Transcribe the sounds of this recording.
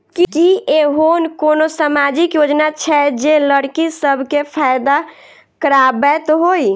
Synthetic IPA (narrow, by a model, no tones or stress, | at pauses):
kikiʔeɦonkonosamad͡ʒikjod͡ʒnat͡ʃʰɛd͡ʒeləɽkisəbʱkepʰajd̪a | kəɾabɛt̪ɦoj